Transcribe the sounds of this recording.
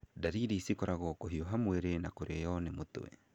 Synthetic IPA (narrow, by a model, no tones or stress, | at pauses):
daɾiɾisikɔɾaɣɔkoɦioɦamweɾenakoɾeejɔnɛmoto̰wɛ̰